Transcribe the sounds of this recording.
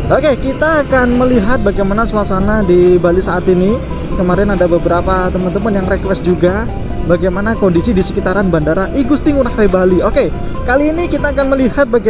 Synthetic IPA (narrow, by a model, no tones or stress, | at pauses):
okekit̪aːkanməliɦat̪̚baɡajmanasuwasanadibalisaːt̪ini | kəmaɾɛnadabəbəɾapat̪əmənt̪əmənjaŋrekwɛsd͡ʒuɡa | baɡajmanakondisidisə̥kit̪aɾanbandaɾaʔiɡust̪ɪŋuɾaklebaliokekaliːnikit̪aːkanməlihat̪̚baɡ